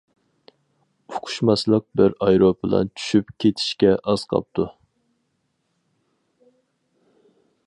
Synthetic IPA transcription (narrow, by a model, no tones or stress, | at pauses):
ʊqʰʊ̥ʃmɑslˠəq̚bɪɾɑjɾopɨlˠɑ̰nt͡ʃʰy̥ʃypkʲʰet̪ʰi̥ʃkʲɛʔɑz̥qʰɑ̰p̚t̪ʰu